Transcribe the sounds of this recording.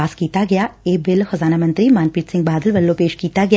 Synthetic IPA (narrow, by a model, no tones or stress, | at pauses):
aːskiːt̪aɡɐjaːeːbɪlxɐzaːnaːmɐ̃nt̪ɾimãːnpiːʈ̪sɪ̃ŋɡ̚baːd̪əlʋɐlːõpeːʃkiːt̪aɡɐ